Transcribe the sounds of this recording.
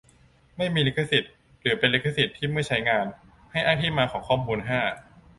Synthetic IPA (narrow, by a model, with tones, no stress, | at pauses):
ma˥˩jmiː˧le˦˥kʰːa˧si˨˩t̪̚ | ɾɯː˩˦pe˧nle˦˥kʰːa˧si˨˩t̪ʰːiː˥˩ma˥˩jt͡ɕʰa˦˥jŋaː˧n | ha˥˩jʔaː˥˩t̪ʰiː˥˩maː˧kʰɔː˩˦kʰɔː˥˩mmuː˧nɦaː˥˩